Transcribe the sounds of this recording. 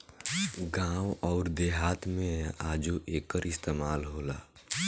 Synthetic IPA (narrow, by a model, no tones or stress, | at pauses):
ɡãːwɔːɾd̪eːɦaːt̪ʰmẽaːd͡ʒuʔeːkəɾɪst̪eːmaːlɦoːla̰ː